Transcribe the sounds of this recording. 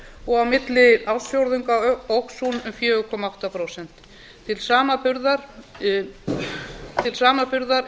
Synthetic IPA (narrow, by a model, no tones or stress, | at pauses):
ɔɣawmɪt̪lɪawðsjowɾðʏŋkaowksunʏmfjœːɣʏkʰɔːmaawht̪apʰɾowsɛn̥t̪ʰː | ɪlsaːmapʏɾðaɾ | t̪ʰɪlsaːmapʏɾðaɾ